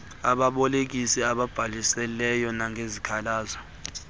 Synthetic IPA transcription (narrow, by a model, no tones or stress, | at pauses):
aɓaɓɔlek̬isiaɓab̥ʱalisɛlɛjɔnaŋɡʱezikʰalaːzɔ